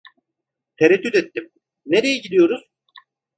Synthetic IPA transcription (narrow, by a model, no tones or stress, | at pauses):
t̪ʰeɾɛt̪ːyt̪et̪ːim | neɾe̞jɛɟid̪ʲijo̞ɾuz̥